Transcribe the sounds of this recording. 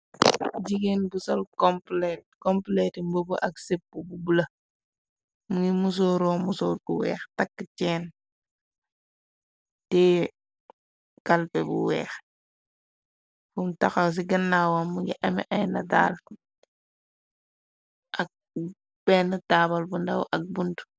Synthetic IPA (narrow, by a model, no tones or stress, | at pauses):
ɟiɡenbusɔlkɔmplɛt̚kɔmplɛtimbobuʔɐksepːububulɐ | muɡimus̬ɔːɾɔːmusɔːɾbuwɛ̰ːxtakːət͡ʃɛːn | tɛ | kɐlpɛbṵwɛ̰ːx | fumtaxaws̬iɡɐnːawamːuɡḭʔɐmḭʔɐjnɐda̰ːl | ʔɐk̚ | bɛːnətabɐlbundɐwʔɐk̚buntu̥